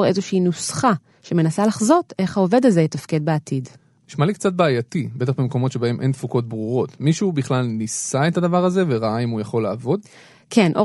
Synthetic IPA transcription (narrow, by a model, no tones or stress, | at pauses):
ʁe̞zoʃiːnusχa | ʃe̞me̞nasalaχzo̞te̞χhaove̞dalzetafkedbeatʰid | niʃmalikt͡sat̚baːjatibet̪̬aχbemko̞mo̞tʃe̞baemʔejntfukot̚bʁuʁo̞tmiʃubiχlalnisaetad̪avaʁaze̞veʁaaimujaχo̞laːvo̞d | kʰenʔo